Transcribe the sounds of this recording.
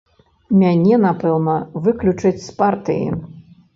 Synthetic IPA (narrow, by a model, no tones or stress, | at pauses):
mʲanʲɛnapɛwnɐvɨklʲut͡ʂɐt͡sʲspart̪ɨjḭ